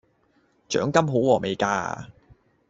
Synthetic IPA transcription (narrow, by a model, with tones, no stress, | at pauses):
t͡ʃœ̰ː˨˥ŋkɐ˥mɦo˨˥wwɔː˨˩mʔe˨jkaː˧